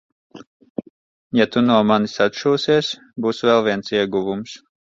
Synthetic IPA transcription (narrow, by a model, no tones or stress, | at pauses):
jat̪unuɔmanisat̪ʃuːsiɛs | buːsvɛlˠviɛnsiɛɡuvums